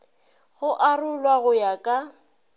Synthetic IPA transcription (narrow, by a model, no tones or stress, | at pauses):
ɣʊʔarʊlwaɣʊjakʼa